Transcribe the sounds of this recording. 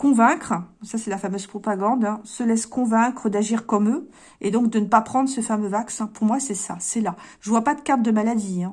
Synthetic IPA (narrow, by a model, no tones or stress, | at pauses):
kɔ̃vɛ̃kχəsasɛlafamøz̥pχɔpaɡɑ̃d̪ɛ̃səlɛskɔ̃vɛ̃kχəd̪aʒiʁkɔmø | ed̪ɔ̃k̚d̪ənəpapχɑ̃d̪ʁəsəfamøvaksɛ̃puʁmwasɛsasɛlaʒəvwapad̪əkaʁt̪̚d̪əmalad̪iɛ̃